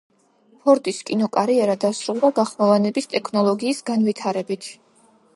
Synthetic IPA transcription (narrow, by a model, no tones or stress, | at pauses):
pʰɔɾt̪ʼiskʼinɔkʼaɾiɛɾad̪asɾulˠd̪aɡaχmɔvanɛbist̪ʼɛkʰnɔlˠɔɡiːsɡanvit̪ʰaɾɛbit̪ʰ